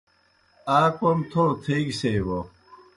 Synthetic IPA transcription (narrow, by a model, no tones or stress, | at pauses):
aːkomt̪ʰot̪ʰeːɡseːwo